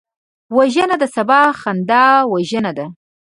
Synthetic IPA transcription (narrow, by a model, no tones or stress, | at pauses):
waʒənad̪əsabɑxand̪ɑwaʒənad̪a